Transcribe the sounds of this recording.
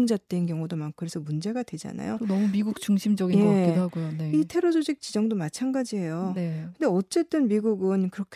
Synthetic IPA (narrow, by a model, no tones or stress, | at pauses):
nd͡ʑat͈wenkjʌŋudomankʰɯɾe̞sʰʌmund͡ʑe̞ɡadwe̞d͡ʑa̰na̰jo̰nʌmumiɡuk̚t͡ɕuŋɕʰimd͡ʑʌɡinjeɦaɡojoneitʰe̞ɾʌd͡ʑoɕʰik̚t͡ɕ͈id͡ʑʌŋdomat͡ɕʰanɡad͡ʑiɦe̞jonkɯnde̞ʌt͡ɕ͈e̞t͈ɯnmiɡuɡɯnkɯɾʌkʰ